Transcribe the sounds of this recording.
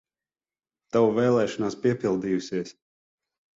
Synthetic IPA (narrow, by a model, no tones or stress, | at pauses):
t̪awuvɛːlˠɛːʃɔnaːspiɛpilˠd̪iːjusiɛs